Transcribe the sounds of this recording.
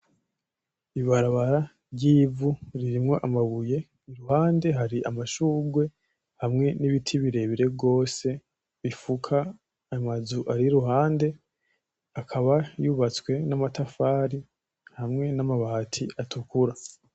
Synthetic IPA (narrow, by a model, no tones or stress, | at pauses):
iβaɾaβaɾa | ɾɟiːvuɾiɾimŋo̞ʔamaβuje̞ | iɾuhaːnde̞ɦaɾiʔamaʃuːɡwe̞ | hamŋe̞niβitʰiβiɾe̞βiɾe̞bɡo̞ːse̞ | βifukʰaː | mazuʔaɾiɾuɦaːnde̞ | akʰaβajuːβat͡swe̞namatafaːɾi | hamŋe̞namaβahatʰiʔatukuɾa